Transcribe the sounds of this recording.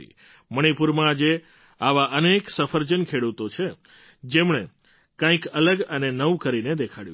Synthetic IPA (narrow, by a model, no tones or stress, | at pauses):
ḭ | məɽ̃ipuɾmãːd͡ʒe | aʋaʔəneksəfʰəɾd͡ʒənkʰeɽut̪ot͡ʃʰe | d͡ʒemɳe | kãĩkələɡənenəʋũkəɾined̪ekʰaɽju